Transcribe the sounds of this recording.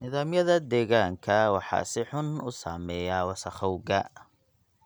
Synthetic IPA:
nɪðaːmjɐðɐd̪ɛːɣaːŋkʰɐwɑħɑ̰ːsɪħʊnʊsaːmɛːjaːwɑsɐχɔwɡɐ

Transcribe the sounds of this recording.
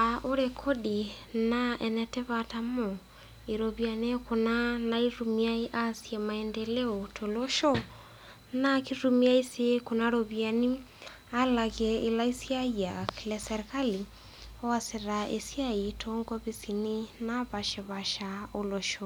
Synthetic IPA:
aʔoɾekʰoɗinaɛnɛtɛβatamo | eɾoβjanekonanaiɾumiaiʔasjɛmaɛndɛlɛotʰoloʃo | nakiɾumiaisekonaɾoβjani | alaɣeilaisiaiakilɛsɛɾekali | ɔaseɾaʔḛsjaitʰoŋɡɔβisininaβaʃeβaʃaoloʃo

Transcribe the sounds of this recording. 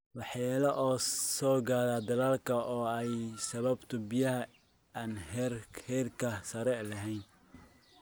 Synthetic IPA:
wɑħjaːlɐʔɔːsɔːɡaːɾaːd̪ɐlaːlkʰɐʔɔːɛjsɐβɐbt̪ʰʊbɪjɐɦɐ | aːnhrhɛrkʰɐsɐɾɛlɐɦɛjn

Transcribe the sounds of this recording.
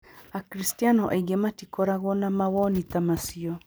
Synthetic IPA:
akɾistianɔʔaiɡematikɔɾaɣɔnamawɔnitamasiɔ

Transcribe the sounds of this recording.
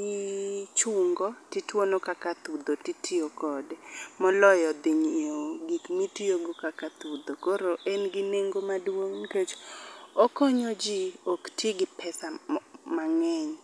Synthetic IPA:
it͡ʃʊŋɡɔtitwonokakat̪ud̪otitʰɪokɔdmɔlɔjɔd̪ɪɲioɡikmitioɡokakat̪ud̪okoɾoʔɛnɡɪneŋɡomadwoŋket͡ʃɔkɔɲod͡ʒioktʰjiɡɪpʰɛsamaŋɛɲ

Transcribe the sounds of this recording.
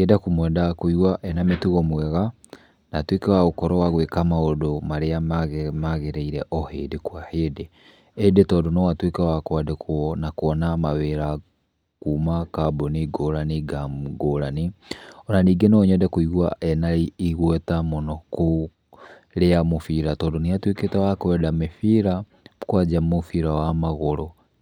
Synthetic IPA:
ɛdakumwɛdakoiɣwaʔɛnametuɣɔmwɛɣa | natwekɛwaɣokɔɾɔwaɣwekamaodomaɾeaɣmaɣeɾɛiɾɛʔɔhḛːdekwahede | edetɔdonɔwatwekɛwakwadekʰwɔnakoɔnamaweɾa | kuːmakaboniɡoːɾaniɡamɡoɾanionaniɡenoɲɛdɛkuiɣwa̰ɛnaiiɣwɛtamonoku | leamofiɾatɔdoniatweketawakɛdamefiɾa | kwad͡ʒamofiɾawamaɣoɾo

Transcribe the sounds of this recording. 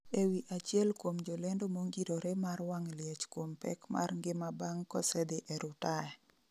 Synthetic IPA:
ewiʔat͡ʃjɛlkwomd͡ʒolɛndomoŋɡiɾoɾemarwaŋljet͡ʃkwompɛ̰kma̰rŋɡɪmabaŋkɔ̰sɛd̪ɪʔɛɾʊtaɛ

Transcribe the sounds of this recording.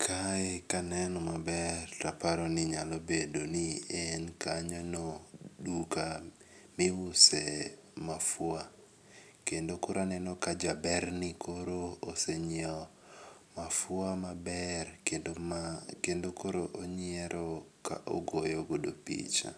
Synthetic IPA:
kʰaekanɛnɔmabɛrtapaɾɔnɪɲalobedoniɛnkaɲɔnoduka | mɪwʊsɛmafwa | kendokoɾanɛnɔkad͡ʒabɛrnɪkʰoɾooseɲɔ | mafʊamabɛredokendokoɾoʔoɲɪɛɾʔɔka̰ʔo̰ɡojɔɡodopḭt͡ʃa̰

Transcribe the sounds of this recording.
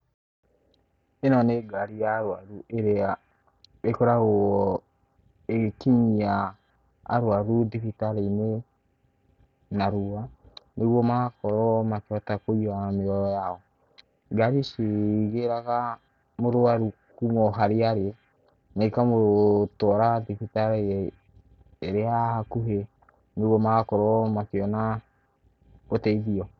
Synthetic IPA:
enɔneɡaɾijaɾwaɾuʔeɾea | ekɔɾaɣo | eɣkiɲia̰ː | ɾwaɾudiβitaɾene | naɾuanʔeɣwɔmakɔɾɔmakɔtakoiameɔjaɔ | ɡaɾiseɣeɾaɣa | moɾoaɾukumɔɦaɾeaɾeɛ | naikamotɔɾadifitaɾe | ɾeahakuɦe | neɣwɔmaɣakɔɾɔmakeɔna | otɛiðiɔ

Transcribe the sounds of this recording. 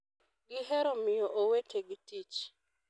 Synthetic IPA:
ɡɪɦɛɾɔmɪjoʔowetʰeɡitit͡ʃ

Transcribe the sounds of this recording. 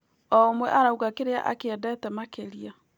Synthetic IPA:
ɔmwɛʔaɾauɣakeɾea̰ʔa̰keɛdɛtɛmakeɾia

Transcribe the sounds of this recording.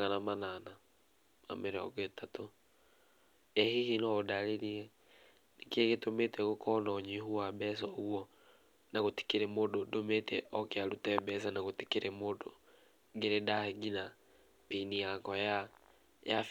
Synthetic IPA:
anamanana | a̰mɛɾeɔ̰ɣetato | ɛhihinɔodaɾeɾiɛ | nekeɣetometɛɣokʰɔnɔɲiɦuabɛsɔwɔ | naɣoti̥keɾɛmododometʰɛʔɔkeaɾutɛbɛs̬anaɣote̥keɾɛmodo | ŋɡeɾedaheɡina | penijakɔja | jaf

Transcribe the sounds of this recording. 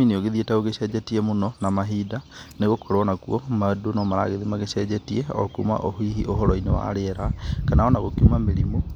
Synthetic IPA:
ineoɣeðietaoɣeɕɛːd͡ʒɛtiɛmonɔnamaɦiːdaneɣokoɾoɔnakuɔmadonɔmaɾa̰ɣeðimaɣeɕɛd͡ʑɛtiɛɔ̰kṵma̰ʔoɦiːɦiʔoɦɔɾɔinewa̰ɾeɾakanaɔnaɣokiumameɾimo

